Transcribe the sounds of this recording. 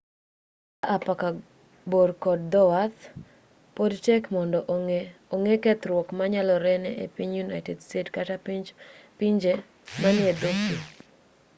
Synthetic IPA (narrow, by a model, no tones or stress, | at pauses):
aʔapaka | boɾkɔdd̪ɔwat̪ | podt͡ʃɛkmɔndɔʔoŋekɛt̪ɾwɔkmaɲalɔɾɛnɛʔepiɲjunajtɛdstetkatappiɲd͡ʒe | manɪɛdoki